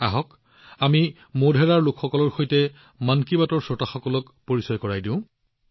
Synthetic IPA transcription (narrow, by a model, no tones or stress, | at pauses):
aɦɔk | ami | modʱɛɹaɹlʊkxɔkɔlɔɹxojtɛ | mankibatɔɹsɔtaxɔkɔlɔk | poɹisɔjkɔɹajdĩʊ̃